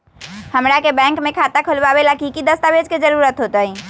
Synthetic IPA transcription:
həmɾakebɛ̃ŋkmekʰat̪akʰəlbabelakikid̪əst̪abed͡ʒked͡ʒəɾuɾət̪ɦot̪əi

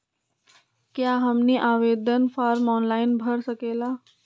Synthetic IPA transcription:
kjaɦəmniʔaːʋeːd̪ənpʰaːɾmɔːnlaːɪnbʱəɾsəkeːlaː

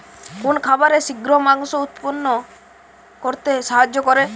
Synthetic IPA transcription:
kunkʰabaɾesiɡɾɔmaŋsɔut̪punːɔ | kɔɾt̪eʃaɦad͡ʒːɔkɔɾe

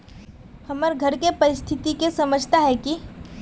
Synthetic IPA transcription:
hɐməɾɡʱɐɾkepɐɾɪst̪ʰɪt̪ikesɐməd͡ʒʱt̪aɦɛki

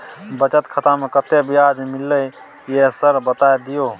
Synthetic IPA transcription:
bət͡ʃət̪kʰət̪amekət̪ebiad͡ʒmilːə | jesəɾbət̪aed̪ijo

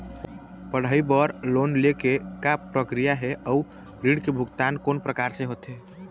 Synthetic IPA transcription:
pəɽ̤əibəɾlonlekekapːɾəkɾijaɦeʔəu | ɾiɽkebʱuɡt̪ankonpɾəkaɾsẽɦot̪ɦe

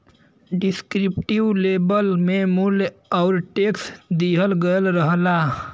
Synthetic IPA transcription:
ɖiskɾip̚ʈiwlebəlmemulaʊɾʈeksd̪iɦəlɡəjlɾəɦla

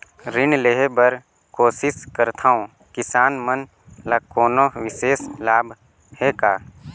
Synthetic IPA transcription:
ɾɪnleɦebəɾ | koːsɪskəɾt̪ʰaːõ | kɪsaːnmən | lakoːnoʋɪseːslaːbʱ | heːkaː

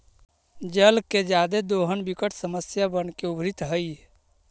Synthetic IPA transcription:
d͡ʒəlked͡ʒad̪ed̪oɦənbikəʈʰsəməsjabənkeubʱɾit̪ɦəj

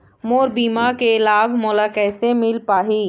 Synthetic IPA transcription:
moːɾbiːmakeɪlaːbmoːlakɛːsemɪlpaːɦiː

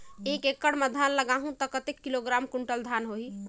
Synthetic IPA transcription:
ekekːəɽməd̪ʱanləɡaɦũt̪ɔkət̪ekːiloɡɾamkuɳʈəld̪ʱanɦoɦi

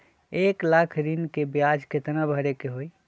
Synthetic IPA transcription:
eklakʰd̪inkebjad͡ʒket̪nabʱəɾekeɦoi

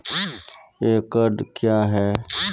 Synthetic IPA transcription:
eːkəɖkjaːɦɛː

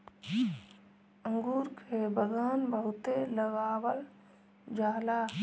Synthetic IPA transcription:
ə̃ŋɡuːɾkʰebəɡənbəɦʊt̪eləɡaːwəl | d͡ʒaːla

